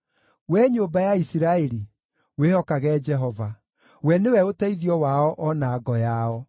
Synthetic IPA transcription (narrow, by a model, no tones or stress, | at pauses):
wɛɲombajaisiɾaeɾi | wehɔkaɣɛd͡ʒɛɦɔva | wɛnewɛotɛiðiɔwaɔʔɔnaːɡɔjaɔ